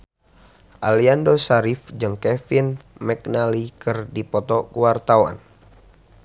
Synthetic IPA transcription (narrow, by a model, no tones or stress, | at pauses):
ʔaliandosaɾifd͡ʒɨŋkɛfinmɛk̚nalikɨrdipɔt̪ɔkuwart̪awa̰n